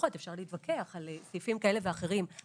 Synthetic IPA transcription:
χot̪efʃaʁliiːt̪vakʰeaχalsijfimkaeleveaχe̞ʁim

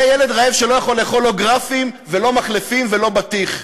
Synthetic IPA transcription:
ajele̞d̪ʁaevʃelo̞jaχo̞le̞ːχo̞lːo̞ɡʁafimvelo̞maχlefimvelo̞bat̪iχ

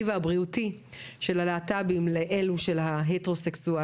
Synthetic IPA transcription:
ivaabʁiuti | ʃe̞laleatabimleʔe̞luʃe̞lɦaɦeteʁo̞seksua

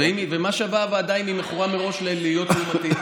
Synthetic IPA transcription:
eimvemaʃeavavead̪ainimeχuʁameʁo̞ʃleliijo̞t̪umat̪i

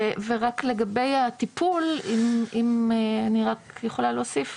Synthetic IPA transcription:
eveʁakle̞ɡabe̞jat̪ipulimimeaniʁakjeχo̞laloːsif

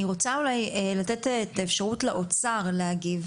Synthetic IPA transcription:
iʁo̞t͡saulajelatetːt̪aefʃaʁutleʔo̞t͡saʁlehaɡiv

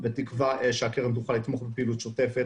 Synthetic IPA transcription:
bet̪ikvaeʃeakeʁemd̪uχalit̪mo̞χbepiːlut̪ʃot̪efet

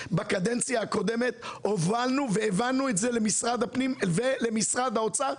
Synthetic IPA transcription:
bakad̪ent͡sjaako̞d̪e̞me̞t̪̚ovʁalnuveːvanːuetzelemisʁad̪apnimvele̞misʁad̪aot͡sa

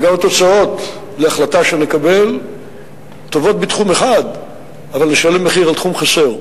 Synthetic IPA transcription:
ɡamat̪o̞t͡sao̞t̪ | leaχlataʃenekabe̞l | t̪ovo̞t̪̚bit̪χumeχad̪ | avalneʃalemːeχiʁaltχumχase̞ʁ

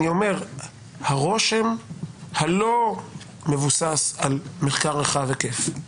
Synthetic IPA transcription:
io̞me̞ʁ | haʁo̞ʃe̞mhalo̞ | me̞vusasalmeχkaʁeχavekef

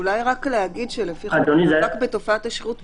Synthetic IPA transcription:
ulajʁakleaɡidʃelefiad̪onizakbeto̞faataʃiʁut

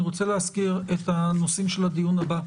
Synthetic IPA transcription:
iʁot͡seleaskiʁetanosimʃelad̪ijunaba

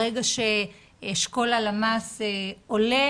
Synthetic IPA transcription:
eɡaʃe | ʃko̞lalamaseole

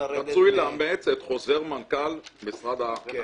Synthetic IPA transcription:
ʁat͡sujleamet͡set̪χo̞ze̞ʁmankalmisʁad̪a

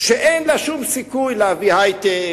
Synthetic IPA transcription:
ʃeʔenlaʃumsikujleavihajt̪e

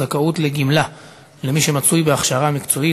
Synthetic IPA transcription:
akautleɡimla | le̞miʃe̞mat͡sujbeaχʃaʁamikt͡so̞i

